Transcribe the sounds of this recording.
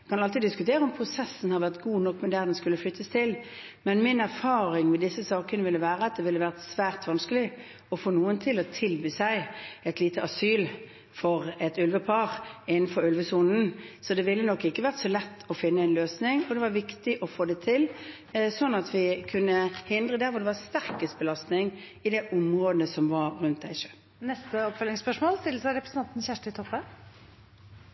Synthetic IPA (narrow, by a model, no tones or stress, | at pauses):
kʰɑnɑlt̪iːd̪d̪ɪskʉt̪ʰeːɾəɔmpʰɾʊsɛsːn̩hɑɾʋæʁt̪ɡuːnɔkːmɛd̪æːʁd̪ɛnskʉlːəflʏt̪ʰːəst̪ʰɪl | mɛnmɪnæɾfɑːɾɪŋmɛd̪ɪsːəsɑːkənəʋɪlːəʋæːɾəɑt̪̚d̪ɛʋɪlːəʋæːʁt̪sʋæːʁt̪ʋɑnskəlɪ | ɔfoːnuːənt̪ʰɪlɔt̪ʰɪlbiːsæɪɛt̪liːt̪əʔɑsyːl | fɔʁɛt̪ʉlʋəpʰɑɾɪnːn̩fɔɾʉlʋəsuːnn̩sɔd̪ɛʋɪlːənɔkːɪkːəʋæʁt̪sɔlɛt̪ːɔfɪnːəɛnløːsnɪŋɔd̪ɛʋɑʋɪkt̪ɪʔɔfoːd̪ɛt̪ʰɪl | sɔnːɑt̪ʰʋɪkʰʉnːəhɪnd̪ʁəd̪æɾʋɔd̪ɛʋɑst̪æʁkəst̪bəlɑst̪nɪŋ | ɪd̪ɛʔʊmʁoːd̪əsɔmʋɑɾɾʉnt̪̚d̪æɪʂøːl | nɛst̪əɔpfœlɪŋspœʂmoːlst̪ɪlːəsæɪɾɛpʰɾəsn̩ʰɑnt̪n̩çæʂʈəɪt̪ʰɔpːə